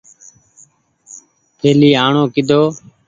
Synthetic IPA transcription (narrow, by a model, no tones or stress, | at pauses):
pʰeːliːaːɳoːkɪd̪ʱoː